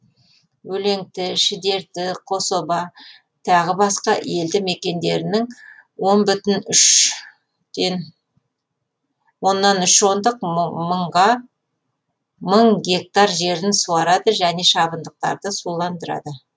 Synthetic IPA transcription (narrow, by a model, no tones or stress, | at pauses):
wɵle̞ŋt̪ɪʃɪd̪e̞ɾt̪ɪqʰo̞so̞bɑ | t̪ʰɑʁəbɑsqɑ̰e̞ld̪ɪme̞kʲe̞nd̪e̞ɾɪnɪŋwo̞nbʏt̪ɪnʏʃ | d̪en | wo̞nːɑnʏʃo̞nd̪əqməɴʁɑ | məɴɡʲe̞k̚t̪ɑɾʒe̞ɾɪnsuɑɾɑd̪əʒæne̞ʃɑbənd̪əq̚t̪ɑ̰ɾd̪əsulˠɑnd̪əɾɑ̰d̪ə